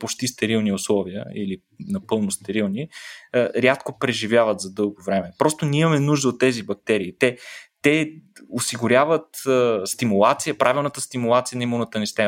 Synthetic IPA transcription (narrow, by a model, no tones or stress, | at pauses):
pot͡ʃt̪ist̪ɛɾilˠniʊslˠɔviə̰ili | nɐpɤlˠnost̪ɛɾilˠni | ɾʲat̪kopɾɛʒivʲjavət̪zɐd̪ɤlˠɡovɾɛmɛpɾɔst̪onʲiimɐmɛnuʒd̪əot̪ːɛzibɐk̚t̪ɛɾiːt̪ɛt̪ɛosiɡʊɾʲavət̪əst̪imʊlˠat̪sijəpɾʔavilˠnət̪əst̪imʊlˠat̪sijənɐimonət̪ənist̪ɛ